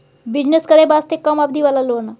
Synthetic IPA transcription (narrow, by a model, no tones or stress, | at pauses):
bid͡ʑneskəɽebast̪ekːəmabd̪ʱiʋalalona